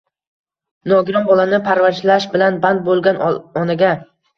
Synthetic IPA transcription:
nɒɡʲɪɾɒnbɒlanɪpʰaɾvaɾʃlaʃbɪlanband̪̚bolˠɡʲanɒnaɡʲa

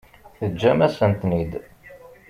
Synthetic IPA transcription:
θəd͡ʒːæmæsənt̪nid̪

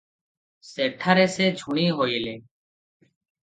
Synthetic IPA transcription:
seːʈʰaːɾeːseːd͡ʒʱuɳ̃iːɦoːiːleː

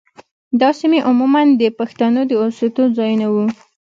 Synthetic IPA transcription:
d̪ɑsimeʔʊmumand̪əpaxt̪anod̪əoset̪ozɑjunawu

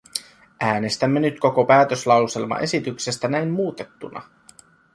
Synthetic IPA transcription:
ʔæːne̞st̪æmːe̞nyt̪ko̞ko̞pæːt̪øslɑwse̞lmɑ̰ʔe̞sit̪ykse̞st̪ænæjmmuːt̪e̞t̪ːunɑ̰

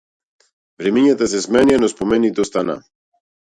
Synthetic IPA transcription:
vɾɛmiɲat̪as̬ɛsmɛnianɔspɔmɛnit̪ɔst̪ana̰

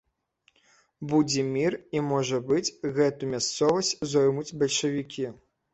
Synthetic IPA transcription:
bud͡zʲɛmʲirimɔʐɐbɨt͡sʲɣɛt̪umʲast̪sɔvɐsʲt͡sʲzɔjmud͡zʲbɐlʲʂɐvʲikʲi

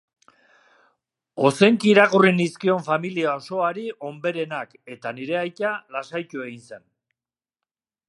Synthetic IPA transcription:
o̞se̞ŋkiːɾaɣuriniskio̞ɱfamiliao̞so̞aɾiʔo̞mbe̞ɾe̞nake̞t̪aniɾe̞ajt̪alasajt̪ue̞ɣinse̞n

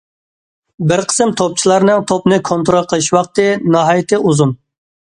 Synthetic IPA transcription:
bɪɾqʰə̥sɨmt̪ʰop̚t͡ʃʰilˠɑɾnɨŋt̪ʰopnɨkʰont̪ʊɾolˠqʰəlˠɨʃwɑq̚t̪ɨnɑɦɑjit̪ʰɨʔuzun

